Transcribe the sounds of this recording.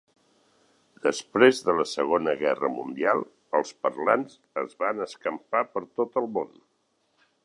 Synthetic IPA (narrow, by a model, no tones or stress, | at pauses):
d̪̥əspɾezðələsəɣonəɣɛrəmund̪ia̰lˠ | əlˠspəɾlanz | əzβanəskəmpapəɾt̪ot̪əlˠmon